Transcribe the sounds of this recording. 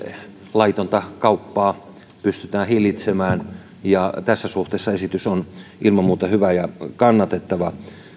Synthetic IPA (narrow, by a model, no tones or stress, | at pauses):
lɑit̪ont̪ɑkɑupːɑː | pyst̪yt̪æːhilit̪semæːn | jɑt̪æsːæsuht̪eˑːsːɑesit̪ysonʔilmɑmuːt̪ɑhyʋæjɑkɑnːɑt̪et̪ːɑʋɑ